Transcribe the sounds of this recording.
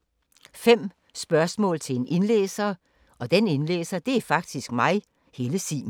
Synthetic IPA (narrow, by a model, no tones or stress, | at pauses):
fem̰ | sb̥ɶɐsmɔ̰̽ːlt͡sʰe̝le̝ne̝nlḛːsɐ | ʔɒ̽d̥ene̝nlḛːsɐd̥e̝æɐfɑ̈ɡ̥̚d̥isɡ̥mɑ̈ɪ | he̝ːləsḭː